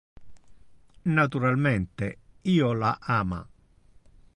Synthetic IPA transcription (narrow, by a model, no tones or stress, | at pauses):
nat̪uɾalmɛnt̪eiːolaʔaːma̰